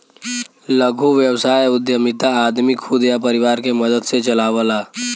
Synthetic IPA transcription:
ləɡʱuʋjəwsaːjʊd̪jəmɪt̪aːd̪mikʰud̪japəɾɪʋaːɾkeməd̪əd̪set͡ʃəlaːʋəlaː

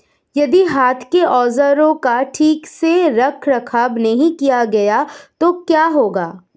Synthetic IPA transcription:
jɐd̪iɦaːt̪ʰkeʔɔːzəɾõkaʈʰiːkseɾɐkʰɾɐkʰaːbnɐɦĩkijaɡɐjat̪okjaːɦoːɡaː

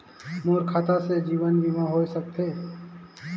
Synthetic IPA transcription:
moːɾkʰat̪ased͡ʒiːʋənbʱimãɦoːisək̚t̪eː

